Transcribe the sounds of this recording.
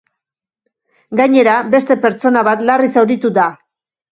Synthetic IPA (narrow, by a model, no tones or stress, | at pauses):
ɡaɲe̞ɾabe̞st̪e̞pe̞ɾt͡so̞naβat̪larisawɾit̪ud̪a